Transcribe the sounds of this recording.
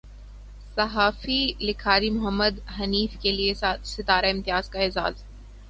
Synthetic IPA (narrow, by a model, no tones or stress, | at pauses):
sɐɦaːfilɪkʰaːɾimʊɦəmːəd̪ɦɐniːfkeliesɪt̪aːɾaɪ̃mt̪ɪjaːzkaɪza̰ːz